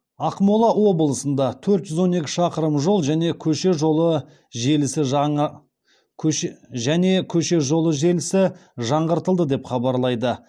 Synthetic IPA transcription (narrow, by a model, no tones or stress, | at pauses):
ɑqmolˠɑwo̞bəlˠəsənd̪ɑt̪ʰɵɾt̪ʒ̥ʏzwo̞ne̞kʲɪ̥ʃɑqəɾəmʒo̞lˠʒæne̞kʲʰɵʃe̞ʒo̞lˠə | ʒe̞lɪsɪ | ʒæne̞kʲʰɵʃe̞ʒo̞lˠəʒe̞lɪsɪʒɑɴʁəɾt̪əlˠd̪əd̪e̞pχɑbɑɾlˠɑjd̪ə